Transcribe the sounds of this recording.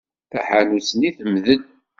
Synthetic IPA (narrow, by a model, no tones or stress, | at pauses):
θa̰ħanusəniθəmðən